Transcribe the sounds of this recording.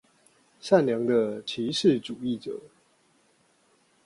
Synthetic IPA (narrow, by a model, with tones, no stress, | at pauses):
ʂa˥˨nljɑ˧˦ŋd̪ə˧t͡ɕʰi˨˥˦ʂɻ̩˥˨ʈ͡ʂu˨˩i˥˩ʈ͡ʂɤ̰˨˩˦